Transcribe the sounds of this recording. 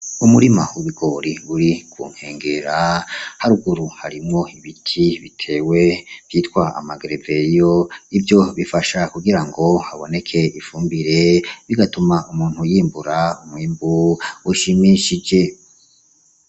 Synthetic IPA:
umuɾimauβiɡo̞ɾiuɾikwṵːŋ̥heːŋɡe̞ɾahaɾuɡuɾuhaɾimŋo̞iβitʰiβitʰe̞ːwe̞v̥jiːtkwaa̰maɡɾevejoivjo̞βifaʃakuɡiɾaŋɡo̞haβo̞ne̞kʰe̞ifuːmbiɾe̞βiɡatumaʔumuːn̥hujiːmbuɾaumwiːmbuuʃimiʃid͡ʒe̞

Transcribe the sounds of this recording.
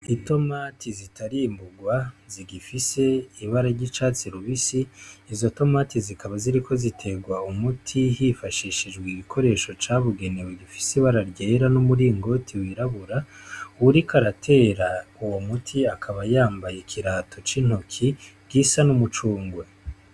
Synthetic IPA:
ito̞matʰizitʰaɾiːmbuɡwaziɡifise̞iβaɾaɾɟit͡ʃaːt͡siɾuβisiːzo̞to̞matizikʰaβaziɾikʰo̞zitʰe̞ɡwaumutʰiɦifaʃiʃid͡ʒɡwiɡikʰo̞ɾe̞ːʃo̞t͡ʃaːβuɡe̞neweɡifi̥siβaɾaɾɟeːɾanumuɾiːŋɡo̞tʰiwiɾaβuɾauɾikʰaɾatʰe̞ːɾauwo̞mutʰiakʰaβajaːmbajekʰiɾatʰot͡ʃin̥okʰi | ɡ̥isanumut͡ʃuːŋɡwe

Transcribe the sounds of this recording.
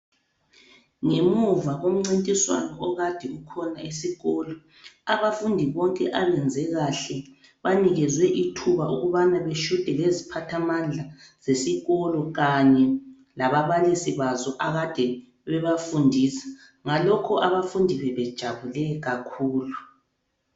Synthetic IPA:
ŋemuvaɣom̩ŋ͡ǀintʼiswa̰nɔːɣad̥ʱiukʰɔnaisiɣɔlɔ | aβafundʱiβɔŋkʼɛʔaβɛnd͡zʱɛɣaɬɛ | βaniɣɛzwɛʔitʰuβaʔuɣuβanaβeʃud̥ʱɛlezipʰatʰamand͡ɮʱaz̥esiɣɔlɔɣaɲɛ | laβaβalisiβazɔʔaɣad̥ʱɛ | βɛβafundʱiːsḁ | ŋalɔkʰɔʔaβafundʱiβɛβɛd̥ʒ̥ʱaβulɛɣakʰuːlu

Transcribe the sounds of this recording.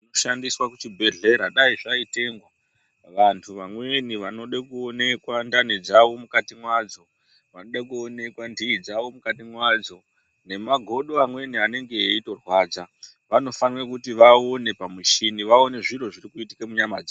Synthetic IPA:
inoʃandiswakut͡ʃibʱe̞ɮe̞ɾaɗaiʐaite̞ŋɡwa | ʋantʰuʋamwe̞niʋano̞ɗekuone̞kwandaned͡zaʋo̞mukatimwad͡zo̞ | ʋano̞ɗakuone̞kwandiid͡zaʋo̞mukatimwad͡zo̞ | ne̞maɡʱo̞ɗo̞amwe̞niane̞ŋɡe̞ːito̞rwaːd͡za | ʋano̞fanwekutiʋaone̞pamiʃiniʋaone̞ʐiro̞ʐirikuitikemuɲamaːd͡za

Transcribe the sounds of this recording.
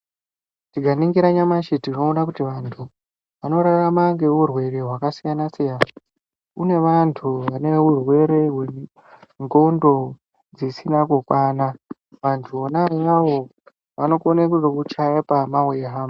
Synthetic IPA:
tiɡʱaniŋɡiɾaɲamaʃetino̞ːnakutiʋantʰu | ʋano̞ɾaramaŋɡe̞ɦurwe̞ɾe̞ɦwakasijanasijaːnaa | une̞ʋantʰuʋane̞urwe̞ɾe̞ɦwe̞ | ŋɡo̞ndo̞ | d͡zisinakokwaːna | ʋantʰuonajaʋo̞ | ʋano̞konekuʐokut͡ʃaepamaujeɦaːmba

